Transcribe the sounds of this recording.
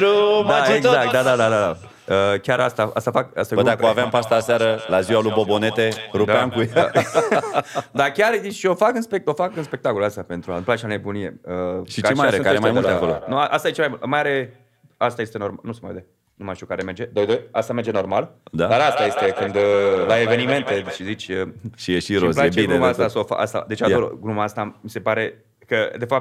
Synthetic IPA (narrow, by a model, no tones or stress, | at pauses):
ɾumdaeɡ̪zakt̪d̪ad̪ad̪ad̪ad̪a | əkʲaɾast̪aa̰st̪afaka̰st̪ajobəd̪akoaveampast̪aseaɾəlaziwalujbo̞bo̞ne̞t̪e̞ɾud̪eamkujḛ | d̪akʲarid̪iʃio̞fakɨnspe̞k̪̚o̞fakɨnspe̞k̚t̪akolast̪ape̞nt̪ɾuaɨmplat͡ʃianebunije̞̰əʃit͡ʃemajaɾeɨkaɾemajmuld̪akolo̰nuaʔast̪aet͡ʃemajmult̪majaɾe̞ | ast̪aje̞st̪e̞no̞rmanusemajved̪e | numaʃt̪iukaɾeme̞rd͡ʒe̞d̪o̞jd̪ojast̪ame̞rd͡ʒe̞normald̪ad̪aɾast̪aje̞st̪e̞kɨnd̪laeve̞nimẽ̞nt̪eʃizit͡ʃʲəʃijeʃiɾozplaeebinɡ̪eumaast̪asofa̰ka̰st̪a̰d̪et͡ʃaoɾo̰ɡɾumaast̪amise̞paɾe̞ | kəd̪e̞fap̚t̪